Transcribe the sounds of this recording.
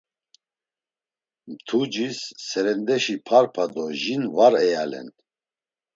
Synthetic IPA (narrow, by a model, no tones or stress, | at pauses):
mt̪ʰud͡ʒisːɛɾɛnd̪ɛʃipʰaɾpʰad̪ɔʒinvaɾɛjalɛ̰n